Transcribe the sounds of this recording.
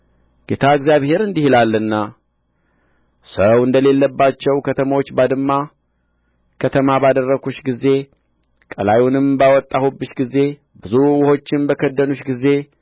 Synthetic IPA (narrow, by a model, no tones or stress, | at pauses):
ɡ̥et̪ʰaɨɡzjaβhe̞ɾɨnd̪ihlalːɨnːa | səwɨnd̪əle̞lːəbːat͡ʃːɛwkʰət̪ʰəmawot͡ʃːbad̪ɨmːa | kʰət̪ʰəmabad̪ərːəkuʃɡizːe̞ | kʼəlajunɨmbawɔt̪ʼːahubːɨʃɡizːe̞ | bɨzuwʊho̞t͡ʃːɪmbəkʰəd̪ːənuʃɡizːe̞